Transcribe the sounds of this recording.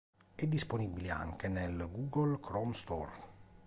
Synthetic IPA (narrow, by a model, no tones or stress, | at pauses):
ɛd̪ːisponibilia̰ŋkenelɡuːɡolkʰɾɔmst̪ɔ̰r